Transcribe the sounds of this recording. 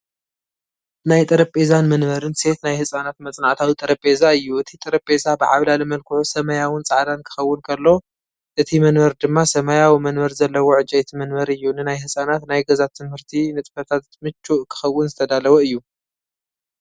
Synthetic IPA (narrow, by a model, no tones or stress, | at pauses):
najt̪ʼɐɾɐpʼezanmɐnmɐɾɨnse̞t̪najhɨsʼanat̪mɐt͡sʼnaʕt̪ʰawit̪ʼɐɾɐpʼe̞zaɨjːuʔɨt̪ʰit̪ʼɐɾɐpʼe̞zabɨʕa̰βlalɨmɐlkʰɨʕusɐmɐjawʊnt͡sʼaʕd̪ankʰɨ̥xɐwːʊnkʰɐlːo̞ | ʔɨt̪ʰimɐnmɐɾd̪ɨmːasɐmajawimɐnmɐɾzɐlːɐwoʕɨd͡ʒajt̪ʰimɐnmɐɾɨjːunɨnajhɨsʼanat̪najɡɐzat̪ʰːɨmhɨɾt̪ʰinɨt͡s̪ʼɨfɐt̪ʰat̪mɨt͡ʃʰʼːuʔkʰɨ̥xɐwːʊnzɨt̪ʰɐd̪alɐwoɨjːu